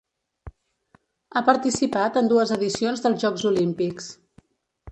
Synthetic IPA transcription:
apəɾt̪isipat̪ənd̪uəzəðisionzðəlˠzʒɔɡzulimpiks

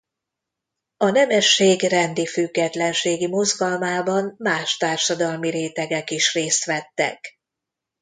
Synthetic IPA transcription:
ɒnɛmɛʃːeːɡrɛnd̪ifyɡːɛt̪lɛnʃeːɡimo̞zɡɒlmaːbɒnmaːʃt̪aːrʃɒd̪ɒlmiɾeːt̪ɛɡɛkiʃreːst̪ʋɛt̪ːɛ̰k

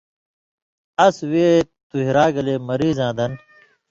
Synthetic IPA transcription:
ɐsweːt̪uɦiɾaːɡɐleːmɐɾiːzãːd̪ɐn

